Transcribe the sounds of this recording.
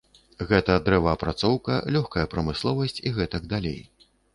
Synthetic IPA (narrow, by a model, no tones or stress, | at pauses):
ɣɛt̪ɐd̪ɾɛvɐːpɾat̪sɔwkɐ̰lʲɔxkɐjɐpɾɐmɨslˠɔvɐsʲt͡sʲiɣɛt̪ɐɡd̪alʲḛj